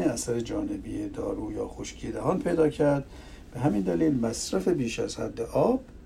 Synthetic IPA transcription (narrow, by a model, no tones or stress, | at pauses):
eæsæɾed͡ʒɒːnebijed̪ɒ̰ːɾuːjɒ̰ːxoʃcʰiːd̪æhɒːnpʰe̞jd̪ɒːcʰæɾd̪ | b̥eɦæmind̪æliːlmæsɾæfebiːʃæ̰z̥hæ̰d̪ːeʔɒːb̥̚